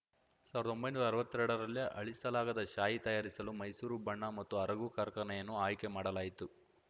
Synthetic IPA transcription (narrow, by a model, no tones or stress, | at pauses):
saːʋɾɐd̪ombɐjnuːɾɐɾɐʋɐt̪ːuɾɛɽɐɾɐlːjiʔɐ̰ɭisɐlaːɡɐd̪ɐʃaːjit̪ɐjaːɾisɐlumɐjsuːɾubɐɳːɐmɐt̪ːuɐɾɐɡukɐɾkɐnɛjɐnːuaːjkemaːɽɐlaːjit̪u